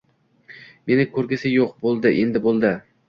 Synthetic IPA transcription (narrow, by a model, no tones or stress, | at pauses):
me̞nɪkʰɵɾɡʲɪsɪjoq̚bolˠd̪ɪʔend̪ɪbolˠd̪ɪ